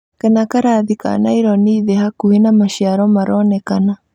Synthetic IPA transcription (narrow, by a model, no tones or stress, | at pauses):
kenakaɾaðika̰naiɾɔniːðehakuhenamaʃiaɾɔmaɾɔnɛkana